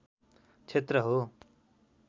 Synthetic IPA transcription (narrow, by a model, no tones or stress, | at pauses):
t͡sʰet̪rʌɦo